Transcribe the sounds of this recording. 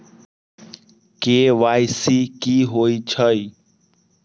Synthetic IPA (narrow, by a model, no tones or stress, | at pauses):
keːʋaːjsiːkiːɦoːit͡ʃʰəi